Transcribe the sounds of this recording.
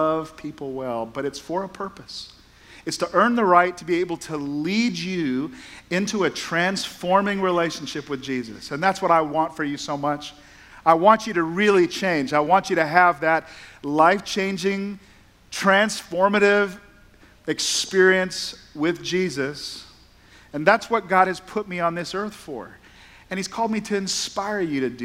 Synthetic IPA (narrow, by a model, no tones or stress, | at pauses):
ʌv̥pʰipl̩ˠwɛlˠbʌɾɨtsfə˞əpʰɜ˞pɨs | ɨtstʰəʔɜ̃˞nðəɹaɪtʰəbieɪbl̩ˠtʰəlid͡ʒʉɪ̃ntʰuɨtʰɹ̥æ̃nsfɔɹmɪ̃ŋɹileɪʃn̩ʃɪpwɨðd͡ʒizɨ̰sɨ̃nðætswʌɾaɪwɑ̃ntfə˞jɨsoʊmʌt͡ʃ | aɪwɑ̃nt͡ʃɨɾɨɹɪlˠit͡ʃʰẽɪ̃nd͡ʒaɪwɑ̃nt͡ʃɨɾɨəvðɨt̚laɪft͡ʃʰẽɪ̃nd͡ʒɪ̃ŋ | tʰɹ̥æ̃nsfɔɹmɨɾɪv | ɨkspɪɹiɨ̃nswɪðd͡ʒizɨs | ɨ̃nðætswʌt̚ɡ̥ɑɾ̚ɨz̥pʰʊt̚miə̃nðɪsɜ˞θfə̰˞ | ɨ̃niz̥kʰɔlˠd̚miɾɨɨ̃nspaɪɹjɨɾɨd